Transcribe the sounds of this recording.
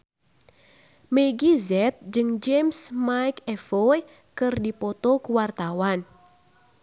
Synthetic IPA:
meɡizɛt̪̚d͡ʒɨŋd͡ʒemsmajkɛfoe | kɨrdipɔt̪ɔkuwart̪awan

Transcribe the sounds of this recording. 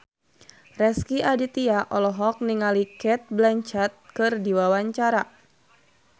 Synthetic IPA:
rɛskiʔadit̪iaʔɔlɔɦɔk̚niŋalikɛt̪̚blaɲt͡ʃat̪̚kɨrdiwawaɲt͡ʃaɾa

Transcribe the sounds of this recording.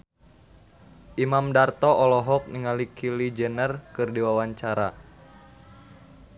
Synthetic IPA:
ʔimamdart̪ɔʔɔlɔɦɔk̚niŋalikʰilid͡ʒənərkɨrdiwawaɲt͡ʃaɾa̰

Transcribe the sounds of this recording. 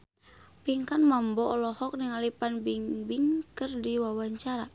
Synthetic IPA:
piŋkanmambɔʔɔlɔhɔk̚niŋalipanbiŋbiŋkɨrdiwawaɲt͡ʃaɾa

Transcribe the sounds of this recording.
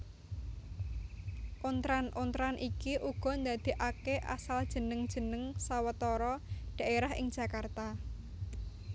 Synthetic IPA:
ʔont̪ɾanʔont̪ɾanʔikiʔuɡ̥ɔ̤nd̪a̤d̪̥i̤ʔakeʔa̰sald̥ʒ̥ə̤nəŋd̥ʒ̥ə̤nəŋsawət̪ɔɾɔɖ̥ä̤ʔeɾaɦɪ̰ŋd̥ʒ̥ä̤kart̪a

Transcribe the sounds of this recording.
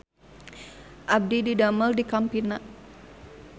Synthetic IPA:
ʔab̚dididaməldikampinaʔ

